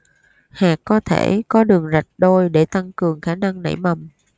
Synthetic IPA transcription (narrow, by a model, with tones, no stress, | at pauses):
haː˨˩kːɔ˨˦t̪ʰḛ˧˩˨kɔ˨˦ɗɨ˨˩əŋza˨˩t̚ɗo˧jɗe˧˩t̪a˧ŋkɨ˨˩əŋxaː˨˦na˧ŋnə̰˧˩jmə˨˩m